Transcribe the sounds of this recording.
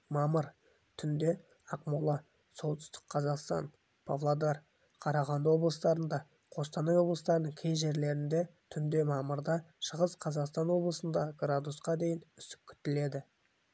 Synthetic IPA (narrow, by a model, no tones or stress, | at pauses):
mɑməɾ | t̪ʰʏnd̪e̞ | ɑqmulˠɑ | so̞lˠt̪ʏ̥st̪ɪ̥qqʰɑzɑqst̪ɑ̰n | pʰavlˠad̪eɾ | qʰɑɾɑʁɑnd̪wo̞blˠəst̪ɑɾənd̪ɑ | qʰo̞st̪ɑnɑjwo̞blˠəst̪ɑɾənəɴkʲʰejʒe̞ɾle̞ɾɪnd̪e̞t̪ʰʏnd̪e̞mɑməɾd̪ɑʃəʁəsqʰɑzɑqst̪ɑnwo̞blˠəsənd̪ɑɡɾad̪usqɑd̪e̞jɪnʏst̪ɪ̥p̚kʲʰʏ̥t̪ːɪle̞d̪ɪ